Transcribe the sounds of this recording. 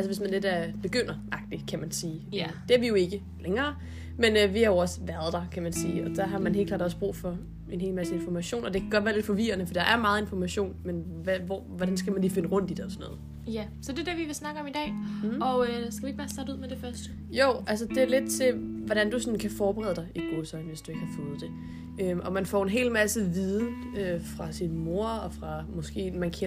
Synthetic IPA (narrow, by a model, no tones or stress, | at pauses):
ʔælsəʋesmænle̝d̥æɐb̥e̝ɡ̥øn̰ɐʔɑ̈ɡ̥̚d̥i̥kʰæmænsiːd̥e̝æɐʋijo̝e̝ɡ̥ə | leŋɐː | menøʋihɑjo̝ɒ̽sʋæɐð̩ˠd̥ɑkʰæmænsiːɒ̽d̥ɑ̈ɦɑ̈mænɦe̝̰ːlkʰlɑ̰ːd̥ɒsb̥ʁṵːfɒ̽ | e̝nɦe̝̰ːlmæsəe̝nfɒmæɕo̝̰ːnɒ̽d̥e̝kʰæɡ̥ɒdʋæɐle̝d̥fɒ̽ʋḭːɐnəfɒdid̥ɑ̈ʔæɐmɑ̈ːð̞̩ˠe̝nfɒmæɕo̝̰ːnmenʋæʋɒ̰ʋɒdænsɡ̥æmænlife̝nəʁɔ̽n̰d̥id̥eɒsɒnɔ̰ːð̩ˠ | jæ | sɒ̽d̥e̝deɐʋiʋe̝snɑ̈ɡ̥əɒ̽mid̥ɛ̰ːɒ̽øsɡ̥æʋiɡb̥ɑ̈ːsæduð̰ˠmed̥e̝fɶɐsd̥ | joʊ̰ʔælsəd̥e̝æɐle̝d̥t͡sʰe̝ʋɒɾ̥ænd̥usɒ̽nkʰæfɒːb̥eʁɛ̰ːðˠdɑ̈ɪʔiɡ̥o̝sɒnʋe̝sd̥ue̝ɡ̥əhɑfɔ̽ːð̞̩ˠd̥e̝ | øʔɒ̽mænfɒ̰e̝nɦe̝̰ːlmæsəʋiːð̞ˠn̩ | øfʁɑ̈sinmo̝ɐ̰ɒ̽fʁɑ̈mɒ̽sɡ̥e̝̰ːmænkʰe